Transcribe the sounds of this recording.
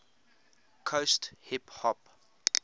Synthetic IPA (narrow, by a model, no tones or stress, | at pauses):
kʰosthiphɔp